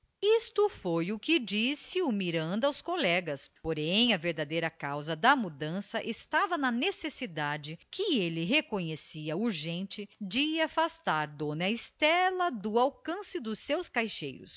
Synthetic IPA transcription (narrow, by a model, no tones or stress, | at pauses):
ist̪ʊfojʊkɪd͡ʒisɪʊmiɾɐ̃nd̪ɐːwskolɛɡɐspoɾẽj̃ɐveɾd̪ad̪ejɾɐkawzɐd̪ɐmud̪ɐ̃sɐʔɪst̪avɐnɐnesesid̪ad͡ʒɪkɪelɪɦekõɲesiɐuɾʒẽnt͡ʃɪd͡ʒɪafast̪aɾd̪õnɐɪst̪ɛlɐd̪ʊawkɐ̃sɪd̪ʊsːewskajʃḛjɾʊ̰s